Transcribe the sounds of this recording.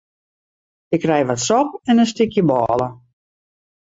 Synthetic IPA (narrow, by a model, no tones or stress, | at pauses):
ɪkrɛjʋatsɔp̚ɛnənstɪkjəbɔːlˠə